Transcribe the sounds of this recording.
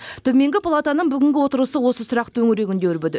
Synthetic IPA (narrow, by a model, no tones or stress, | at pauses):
t̪ʰɵme̞ŋɡʲɪpʰalˠat̪anəɴbʏɡʲɪŋɡʲɪwo̞t̪əɾəsəwo̞səsʊɾɑqt̪ʰɵŋɪɾeɡʲɪnd̪eɪɾbød̪ɪ